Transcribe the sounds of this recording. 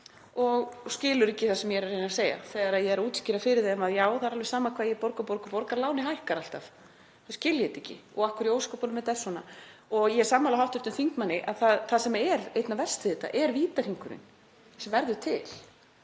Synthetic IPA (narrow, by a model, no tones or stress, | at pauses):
ɔɣscɪːlʏɾɛcːɪθasɛmjɛɛɾrːejnaseːja̰θɛːɣaɾaðjɛɛɾuːt̪scɪɾafɪɾɪðeamaðjaːwθaðɾalvɛɾ̥saːmakʰvaːjɛpɔɾkapɔɾkapɔɾkaɾlaːwnɪɦajhkaɾal̥t̪av | θḁscɪːljɛt̪ɛcːɪ̰ɔ̰ɣahkʏɾjoːwskɔwpanʏmːɛðt̪ːɛ̥sːɔna̰ɔɣjɛ̥saːmːalaɦawht̪ʏɾ̥t̪ʏmθiŋkmanːɪʔaðθaðθaðsɛmɛɾejt̪navɛr̥st̪ɪðɪt̪a̰ʔɛɾviːt̪ar̥hiŋkʏɾɪ̰n | sɛmvɛɾðʏt̪ʰɪl